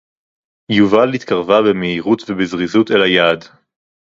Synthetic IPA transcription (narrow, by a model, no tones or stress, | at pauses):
juvalit̪kaʁvabemeiʁutvebezʁizutelajaːd